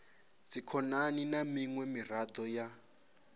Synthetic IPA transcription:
t͡sikʰɔnaninamiŋwɛmirad̪ɔja

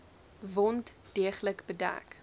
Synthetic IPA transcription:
vɔnt | d̥iəχləkbədæ̰k

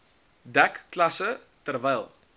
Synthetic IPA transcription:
dækːlɐsə | tərvɛjlˠ

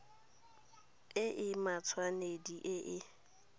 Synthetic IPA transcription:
ɪʔɪmat͡sʰwanediʔɪʔɪ

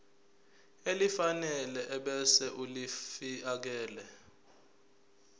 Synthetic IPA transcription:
elifanɛlɛʔɛɓɛsɛʔulifiak̬ɛːlɛ

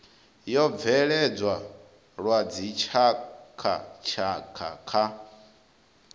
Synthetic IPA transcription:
jɔb̪vɛɺɛd͡zwa | ɺwad͡zit͡ʃʰakʰa̰t͡ʃʰakʰa̰kʰa

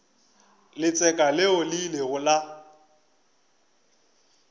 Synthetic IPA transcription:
lɪt͡sʼɛkʼalɪolɪleɣʊla

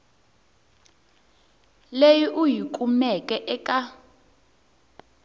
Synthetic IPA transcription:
lejiʔujikʼumɛkʼɛʔɛkʼa

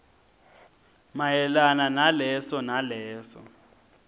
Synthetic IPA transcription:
majɛlananalɛsɔnalɛːsɔ̰

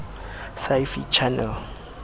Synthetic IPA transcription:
sajfḭt͡ʃʰanɛl

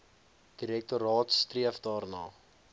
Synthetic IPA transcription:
d̥iɾɛk̚tuɾɑːtstriəfdɑːrnɑː

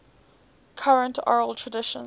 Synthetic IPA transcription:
kʰaɹə̃ntʰɔ̰ɹəlˠtʰɹədɪʃə̰̃n

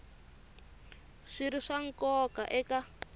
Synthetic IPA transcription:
ʂiɾiʂaŋkɔka̰ʔɛka

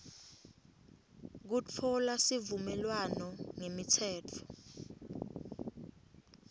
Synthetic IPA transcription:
k̬ut͡fʰɔlasivumɛlwanɔŋemitʰɛːt͡fʰɔ̥

